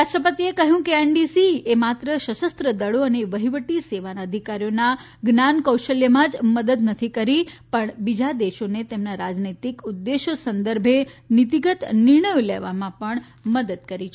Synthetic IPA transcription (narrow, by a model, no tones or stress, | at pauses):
ɾaʃʈɾəpət̪iekəɦjũkeenɖisiemat̪ɾəʃəʃəst̪ɾəd̪əɭoəneʋəɦiʋəʈiseʋanaəd̪ʱikaɾijona | ɡnankəwʃəljəmãd͡ʒməd̪əd̪nət̪ʰikəɾipəɳbid͡ʒad̪eʃonet̪emnaɾad͡ʒnit̪ikud̪ːeʃosənd̪əɾbʱenit̪iɡət̪nɪɾɳəjolḛʋamãpəɳ | məd̪əd̪̚kəɾit͡ʃʰ